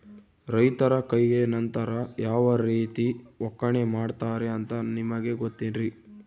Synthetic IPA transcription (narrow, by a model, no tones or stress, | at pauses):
ɾɐjt̪ɐɾɐkɐjɡe̞nɐnt̪ɐɾɐjaːʋɐɾiːt̪iɔkːɐɳemaːɖt̪aːɾeɐnt̪ɐnimɐɡe̞ɡot̪ːenɾi